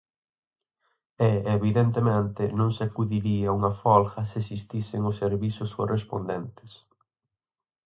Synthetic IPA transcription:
ɛeβiðent̪̬emẽnt̪ɪnõŋsakuðiɾiɐuŋɐfɔlxɐsesist̪isɪŋʊsːeɾβisʊskorʔespo̰nd̪ɛnt̪ɪ̥s

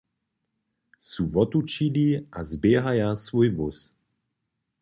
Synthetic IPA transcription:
suvɔt̪ut͡ʃiliʔazbjɛːɦajasvujvus

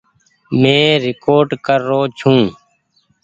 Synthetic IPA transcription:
mẽːɾɪkoːɾɖkəɾːoːt͡ʃʰũː

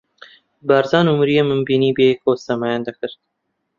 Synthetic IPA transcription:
bæɾzɑːnumɾijemɨmbiːniːbekʰosɐmaːjɑːnd̪ɐkʰɨɾt̪̚

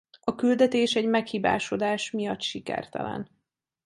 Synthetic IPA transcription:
ɒkyld̪ɛt̪eːʃɛɟmɛkhiːba̰ːʃo̞d̪aːʃmijɒt̪ːʃikɛ̰rt̪ɛ̰lɛ̰n

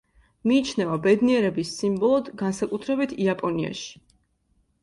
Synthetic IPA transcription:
miːt͡ʃʰnɛvabɛd̪niɛɾɛbisːimbɔlˠɔd̪ɡansakʼut̪ʰɾɛbit̪ʰiapʼɔnia̰ʃi̥

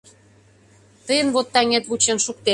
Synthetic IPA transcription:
t̪əjə̆nβot̪ːɑŋet̪βut͡ɕenʃuk̚t̪e

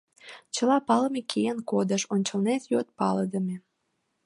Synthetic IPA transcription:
t͡ɕəlɑpɑləmekʰejənkod̪əʃonʲt͡ɕəlnet̪jot̪̚pɑləd̪ə̆mʲe

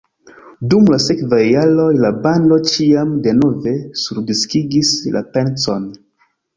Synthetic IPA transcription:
dumlase̞kvajːalo̞jlabando̞t͡ʃiamde̞no̞ve̞suɾdiskiɡislʔa̰pe̞nt͡so̰n

